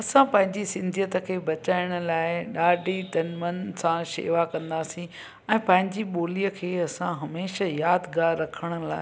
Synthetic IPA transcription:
ɐsãpɐ̃ɦɪ̃ɲd͡ʑisɪ̃nd̪ʱijət̪ə̆kʰeːbɐt͡ɕaːɪɽ̃ʊ̆laːɪɗaːɖit̪ɐnmənsãʃḛːʋakɐ̃nd̪aːsĩ | ɛ̃ːpɐ̃ɦɪ̃ɲd͡ʑiɓoːlijəkʰeːɐsãɦɐmeːʃajaːd̪ɡaːɾːɐkʰəɽ̃ə̆la̰ː

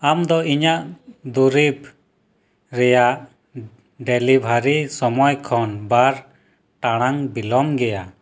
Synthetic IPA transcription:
amd̪ɔiɲaʔd̪uɾib | ɾɛjaʔ | ɖɛlibʱaɾisɔmɔjkʰɔnbaɾ | ʈaɽ̃aŋbilɔmɡɛja

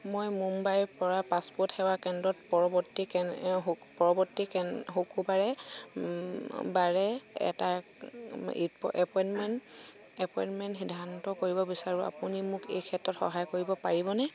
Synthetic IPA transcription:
mojmumbajɹpɔɹapaspɔthɛwakɛndɹɔtpɔɹɔbɔtikɛ | pɔɹɔbɔtːikɦukubaɹɛ | baɹɛɛ̰ta | ipʔɛpɔjnmɛn | ɛpɔjnmɛntxidʱantɔkoɹibɔbisaɹua̰punimʊkḛjkʰɛtɹɔtxɔ̰ɦajkoɹibɔpaɹibɔnɛ

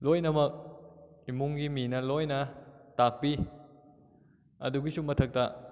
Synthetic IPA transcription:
lojnɐmɐk̚imuŋɡiminɐlojnɐtak̚pi | ɐ̰duɡisumɐtʰɐk̚tɐ

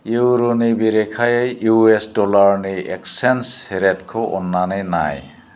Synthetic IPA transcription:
iwɾonibiɾekʰajajjuesdɔlaɾniʔeksensheɾet̚kʰɔʔɔnːanena̰j

